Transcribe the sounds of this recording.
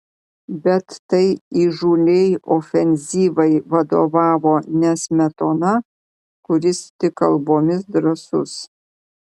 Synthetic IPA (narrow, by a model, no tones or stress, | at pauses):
bʲɛt̪ːɐɪiːʒuːlʲejoːfʲɛnʲzʲiːʋɐɪʋɐd̪o̰ːʋɑːʋoːnʲɛsʲmʲɛt̪oːnɐ | kʊɾʲɪst̪ʲɪkɐlˠboːmʲɪsd̪ɾɐsʊs